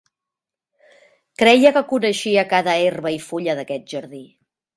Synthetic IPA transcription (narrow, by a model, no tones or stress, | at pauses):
kɾɛjəkəkunəʃiəkaðəerβəifuʎəðəkɛt̪̚ʒəɾði